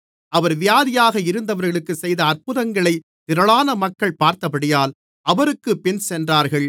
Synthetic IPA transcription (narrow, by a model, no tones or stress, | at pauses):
ɐʋɐɾʋɪjaːðɪjaːɣɐɪɾɯnd̪ɐʋɐɾɣɐɭɯkːɯsɛjðɐːrpɯðɐŋɡɐɭɐɪ | t̪ɪɾɐɭaːnɐmɐkːɐɭpaːɾt̪ɐpɐɽɪjaːl | ʔɐʋɐɾɯkːɯpːɪnsɛndraːɾɣɐɭ